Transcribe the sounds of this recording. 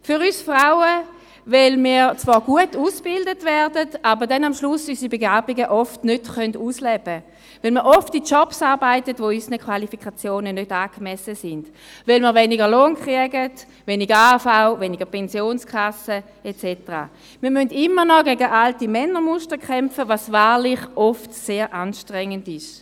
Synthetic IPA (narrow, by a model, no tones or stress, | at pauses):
fʏʁysfʁaʊə | vɛlmiːt͡svaːʁɡ̥uətuːsb̥ɪldətvɛʁdətabəʁdɛnamʃlʊsysibeɡaːbiɡəʔɔftnøtχœnduːslɛb̥ə | vɛlmiʔɔftit͡ʃɔpsaːʁbaɪtətvoysənəkʰvalifikχat͡sjoːnənødaːɡ̥mɛsəsɪnd̥ | vɛlməʁveniɡəloːnkʁiəɡət | veːniɡəafaʊveniɡəʁpʰɛnsjoːnskʰasə | et͡sɛtəʁa̰ː | miːɐmøndɪmənɔɡɛɡəʔaltimɛnːəmʊʃtəkʰɛmfəvasvaːʁlɪχʔɔftseːʁʔanʃtʁɛŋːəndɪʃ